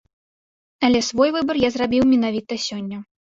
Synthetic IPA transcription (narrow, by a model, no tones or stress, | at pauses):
ɐlʲɛsvɔjvɨbɐrjazrabʲiwmʲinavʲit̪ɐsʲɔnʲːɐ